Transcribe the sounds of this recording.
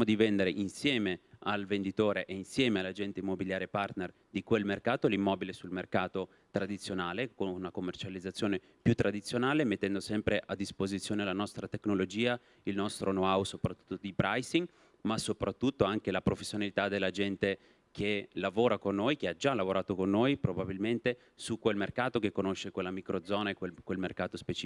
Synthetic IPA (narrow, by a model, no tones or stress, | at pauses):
mod̪ivend̪eɾeʔinsjɛːmealvend̪it̪oːɾeʔeinsjɛːmealːad͡ʒɛnt̪eimːobiljaːɾjepart̪ner | d̪ikwelmerkaːt̪olimːɔːbilesulmerkaːt̪o | t̪ɾad̪it̪sːjonaːlekonunakomːert͡ʃalid̪zːat̪sːjoːne | pjut̪ːɾad̪it̪sːjonaːlemet̪ːɛnd̪osɛmpɾeʔad̪ːispozit̪sːjoːnelanɔst̪ɾat̪eknolod͡ʒiːa | ilnɔst̪ɾʔonoawsopɾat̪ːu̥t̪ːod̪ipɾajsiŋ | masopɾat̪ːut̪ːoaŋkelapɾofesːjonalit̪ad̪elːad͡ʒɛnt̪e | kʰelavoːɾakonːojk̟ead͡ʒalavoɾaːt̪okonːojpɾobabilment̪e | sukːwelmerkaːt̪ok̟ekːonoʃːekwelːamikɾod̪zɔːnaekwekːwelmerkaːt̪ospet͡ʃi